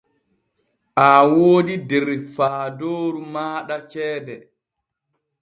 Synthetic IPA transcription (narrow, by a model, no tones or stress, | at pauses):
ʔawoːdidɛɾfaːdoːɾumaːɗat͡ʃɛːdɛ